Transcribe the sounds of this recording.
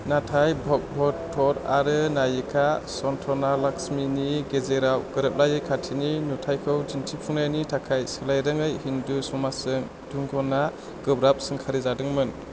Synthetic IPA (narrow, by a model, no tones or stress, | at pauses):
natʰajbʱɔk̚bʱɔtʰːɔɾa̰ɾɯnajɯkʰasɔntʰɔnalaksminiɡezeɾawɡɯɾɯp̚lajɯjkʰatʰininutʰajkʰɯwd͡ʒintʰipʰuŋnajnitʰakʰajsɯlajɾɯŋɯjhindusɔmasɯŋ | d̥uŋɡʰɔna | ɡ̥ɯbɾap̚sɯŋkʰaɾizadɯŋmɯn